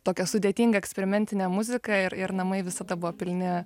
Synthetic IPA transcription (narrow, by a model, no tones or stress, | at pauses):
t̪oːkʲɛsʊd̪ʲeːt̪ʲiːŋɡɐɛksʲpʲɛɾʲɪmʲɛnʲt̪ʲɪnʲɛmʊzʲɪkɐɪɾɪɾnɐmɐɪʋʲɪsɐd̪ɐbʊʋoːpʲɪlʲnʲɪ